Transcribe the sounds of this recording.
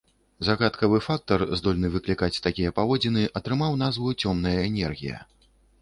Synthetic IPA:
zaɣat̪kɐvɨfak̚t̪ɐrzd̪ɔlʲnɨvɨklʲikat͡sʲt̪akʲijɐpavɔd͡zʲinɨʔɐt̪ɾɨmawn̪azvɨt͡sʲɔmnɐjɐɛnʲɛrɣʲijɐ̰

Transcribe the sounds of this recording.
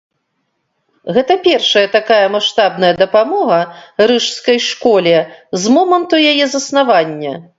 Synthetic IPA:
ɣɛt̪ɐpʲɛrʂɐjɐt̪akajɐmaʂt̪abnɐjɐd̪ɐpamɔɣɐɾɨʂskɐjʂkɔlʲɛzmɔmɐnt̪ujajɛzɐsnavanʲːɐ

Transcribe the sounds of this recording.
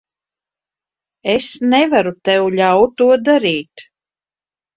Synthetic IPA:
esnɛvaɾut̪ɛwʎʲawt̪ːuɔd̪aɾiːt̪

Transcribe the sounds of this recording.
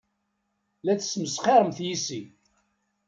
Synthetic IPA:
læθə̥sməsχeɾˤəmθjisi

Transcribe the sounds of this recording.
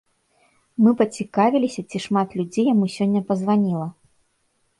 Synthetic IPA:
mɨpɐt͡sʲikavʲilʲisʲɐt͡sʲiʂmat̪lʲud͡zʲejamusʲɔnʲːɐpɐzvanʲilˠɐ

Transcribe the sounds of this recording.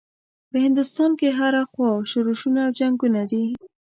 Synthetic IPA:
pəhɪnd̪ʊst̪ɑnkeɦaɾaxwɑʃʊɾuʃunaːwd͡ʒaŋɡunad̪i

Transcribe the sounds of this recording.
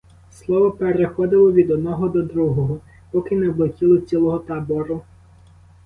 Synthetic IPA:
slˠɔʋɔpeɾexɔd̪ɪlˠɔʋʲid̪ɔd̪̚nɔɦɔd̪ɔd̪ɾuɦɔɦɔ | pɔkɪnɛblˠekʲilˠɔt͡sʲilˠɔɦɔt̪ɑbɔɾʊ

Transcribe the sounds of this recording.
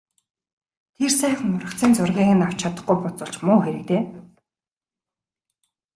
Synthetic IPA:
t̪ʰersæːχ̆ŋʊɾə̆χt͡sʰiːnt͡sʊrɣʲiːɣɘ̆naw̥t͡ɕʰat̪ə̆χɡujpʊt͡sʊ̆ɬt͡ɕmʊːxeɾɘ̆kt̪eː

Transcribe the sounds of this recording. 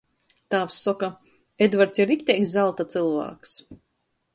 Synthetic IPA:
t̪aːfsːɔka | ed̪vaɾt̪siɾikʲt̪ʲɛjkszalˠt̪at̪sɨlˠva̰ːks

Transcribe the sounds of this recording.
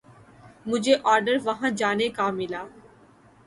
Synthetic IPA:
mʊd͡ʒʱeʔɔːɾɖəɾʋɐɦãd͡ʒaːnekamɪlaː

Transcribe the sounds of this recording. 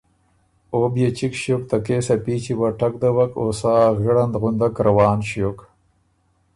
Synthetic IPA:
objet͡ʃikʃjok̚t̪akeːsapit͡ʃiwaʈakd̪awakosaːɣəɽand̪ɣʊnd̪akɾawɑːnɕjok

